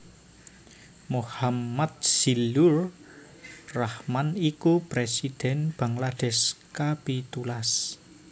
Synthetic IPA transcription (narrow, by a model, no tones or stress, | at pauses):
mohamat̪̚silur | rahmanikupɾesid̪̥ɛ̤nb̥a̤ŋlad̪̥ɛskabit̪ulas